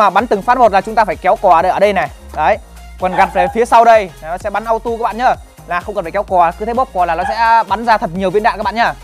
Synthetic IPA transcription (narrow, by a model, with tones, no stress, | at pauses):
aː˨˩ɓa˨˦nt̪ɨ˨˩ŋfaː˨˦˥t̚mo˨˩t̚laː˨˩t͡ɕʊ˨˦ŋ͡mt̪aː˧faː˧˩jkɛ˨˦wkɔ˨˩˨əː˨˩ɗə˧jʔəː˧˩ɗə˧jnɛ˨˩ | ɗə˨˦j | kwə˨˩nɣa˨˩t̚ve˨˩fi˨˦əsa˧wɗə˧jaː˨˩nɔ˨˦sɛ̰˧˥ɓa˨˦nʔə˧wt̪u˧kaː˧˦˥kɓa̰ː˧˨ɲə˧ | laː˨˩xə˧wŋ͡mkə˨˩faː˧˩kwkɔ˨˩˨kɨ˨˦t̪ʰe˨˦ɓo˦˥p̚kɔ˨˩laː˨˩nɔ˨˦sɛ̰˧˥ɓa˨˦nzaː˧t̪ʰə˨˩p̚ɲi˨˩əwvi˧nɗa̰˧˨nkaː˦˥ɓ̰a̰ː˧˨˩ɲa˧